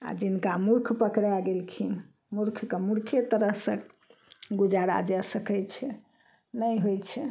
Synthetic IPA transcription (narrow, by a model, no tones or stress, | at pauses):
a̰d͡ʒinkamuɾkʰpəkɾaɡelkʰin | muɾkʰkemuɾkʰet̪əɾəɦsə̃ | ɡud͡ʒaɾa̰d͡ʒasəkɛjt͡ʃʰɛ | nəjɦojt͡ʃʰɛ